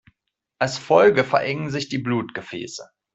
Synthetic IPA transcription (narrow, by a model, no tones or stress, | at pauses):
ʔalsfɔlɡəfɛɐʔɛŋənzɪçd̥iːbluːtɡ̥əfɛ̰ːsə